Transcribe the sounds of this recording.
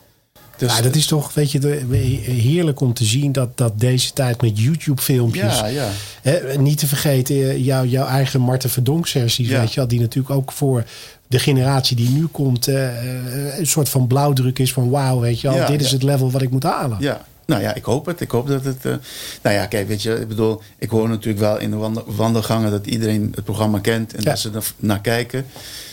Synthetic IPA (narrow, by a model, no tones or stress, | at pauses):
dmaːdɑtɪstɔχʋejtə | ɦɪːɹləkɔmtəzindɑt̚dɑt̚dejzətɛjtmɛtjutjupfɪlˠmpjəs | ɦɛnitəvəɹχejtəjɔwjɔwʔɛjχəmɑɹtəfədɔŋksɛɹsisʋejtəʋɛlˠdinatyːɹləkowkfʊːɹ | dəχenəraːtsidinykɔmt | sʊːtfɑnblawdrøkɪsfɔnwawʋejtjəʋɔlˠdɪtɪs̬ətlɛvəlˠʋɑtɪk̚mutɦaːlə | noja̰ʔɪkhowpətɪkhowp̚dɔtətnoja̰kejʋetjɛɪ̰ɡ̚bədulˠ | ʔɪkhoːɹnatyːləkʋɛlˠɪ̰ndəʋɑndəlˠχaŋədɔtḭdəɾenət̚proxramakɛntʰɛndɔtsənaːkɛjkə